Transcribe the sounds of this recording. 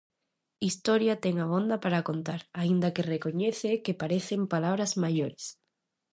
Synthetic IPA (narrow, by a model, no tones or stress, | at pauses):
ist̪oɾjat̪eŋaβ̞õnd̪apaɾakont̪aɾaind̪akerekoɲeθekepaɾeθempalaβ̞ɾazmaʝoɾes